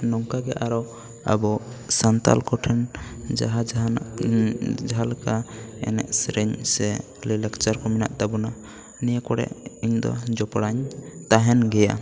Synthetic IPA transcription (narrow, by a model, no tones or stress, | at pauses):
nɔŋkaɡɛʔaɾɔ | a̰bɔsant̪a̰lkɔʈʰɛnd͡ʒaɦad͡ʒ | d͡ʒɦalkaɛ̰nɛ̰ʔsɾɛɲsɛ | lilakt͡ʃaɾkɔmina̰ʔd̪abuna | nijakɔɽɛ̰ʔiɲd̪ɔ̰d͡ʒɔpɽaɲt̪aɦɛnɡɛja̰